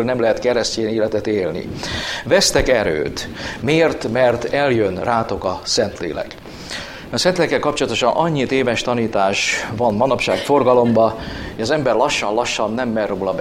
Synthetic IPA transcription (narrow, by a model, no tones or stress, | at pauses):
lnɛmlɛɦɛt̪kɛɾɛsceːneːlɛt̪ɛt̪eːlnḭvɛst̪ɛkɛɾø̰ːt̪meːrt̪mɛrt̪ɛljønraːt̪o̞kɒsɛnt̪lḛːlɛ̰k | ɒsɛnt̪leːlɛkːɛlkɒp̚t͡ʃolɒt̪o̞ʃɒnʔɒɲːit̪eːvɛʃt̪ɒniːt̪aːʃvɒnmɒnɒpʃaːkfo̞rɡɒlo̞mbɒeʃɒzɛmbɛrlɒʃːɒnlɒʃːɒnːɛmːɛruːlɒb